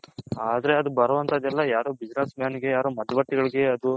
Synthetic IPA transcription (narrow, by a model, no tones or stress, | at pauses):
aːd̪ɐɾe̞ɐd̪ubɐɾɐʋɐnt̪ʰɐd̪ɛlːɐjaːɾoːbid͡ʒnesmjaːniɡe̞jaːɾoːmɐd̪ːɐʋɐʈːiɡɐɭiɡe̞ɐd̪u